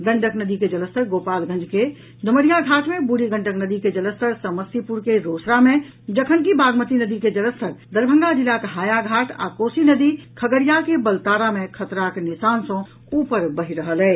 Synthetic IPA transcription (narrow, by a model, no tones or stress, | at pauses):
ɡ̪ə̃ɳɖəknəd̪iked͡ʒələst̪ʰəɾɡopalɡʱə̃nd͡ʒʱke | d̪ʱəməɾijaɡʱaʈmebuɾiɡə̃ɳɖəknəd̪iked͡ʒələst̪əɾsəməsipuɾkeɾosɾamẽ | d͡ʒəkʰənkibaɡmət̪inəd̪iked͡ʒələst̪ʰəɾd̪əɾbʱə̃ŋɡad͡ʒilːakɦaːjaɡʱaʈʰa̰kosinəd̪ikʰəɡəɾijakebəlt̪aɾamekʰət̪ɾakenisansə̃ | upəɾbəɦiɾəɦəlɛ